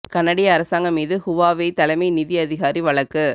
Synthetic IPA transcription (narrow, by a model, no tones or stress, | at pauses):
kɐnːɐɽɪjɐːɾɐsaːŋɡɐmiːðɯhʊʋaːʋɐɪt̪ɐlɐmɐɪnɪðɪjɐðɪɣaːɾiʋɐɭɐkːɯ